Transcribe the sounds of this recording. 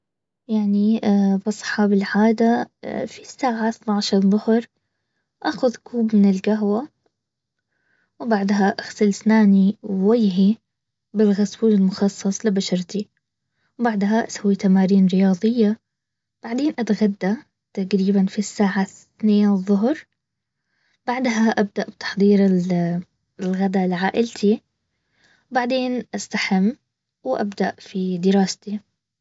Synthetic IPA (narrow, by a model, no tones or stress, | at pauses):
jaʕnibɑsˤħɑːbɪlʕaːd̪afisːaːʕaθnaʕʃɑɾˤðˤʊhɾˤ | ʔaːxʊðkuːbmɪnɪlɡaɦwa | wbaʕd̪ɦaʔaɣsalsnaːniwajɦi | bɪlɣasbuːlɪlmʊxɑsˤːɑsˤlɪbaʃɑɾˤt̪i | wbaʕd̪ɦaʔasawːit̪amaːɾiːnɾɪjɑːðˤɨjːa | b̥aʕd̪eːnʔat̪ɣad̪ːa | t̪aɡɾiːbanfisːaːʕaθθneːnðˤːʊɦɾ | b̥aʕd̪ɦaʔab̚d̪aʔbt̪ɑ̥ħðˤiːɾɪl | lɣad̪alɪʕaːʔɪlt̪ʰi | baʕd̪eːnʔast̪aħɪmː | wʔabd̪aʔfid̪ɪɾɑːst̪i